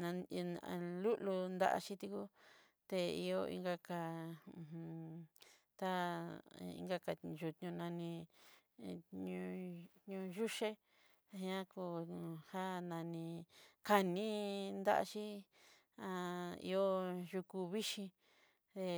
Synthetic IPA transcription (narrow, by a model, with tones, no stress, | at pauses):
nã˧lu˦ʔlu˧nd̪a̰˦ʔa̰˧ʃi˦t̪i˧ku˦ | t̪e˧i˧o˧ḭ˧ŋɡa˧kã˧˨hũ˧ | t̪a˦ | ḭ̃˧ŋɡa˦˧ka˧˨ʒu˧˨t̪ɲũ˧nã˧nĩ˧ | ɲũ˧˦ɲũ˧ʒu˦ʃe˦˧ | hĩ˦˧ã˦ku˧˨ha˦nã˧nĩ˧ka˧nĩ˦nd̪a̰˦ʔa̰˧ʃi˦ | ã˧ḭ˧o˦ʒu˧ku˧βi˦ʃĩ˧ | ðe˧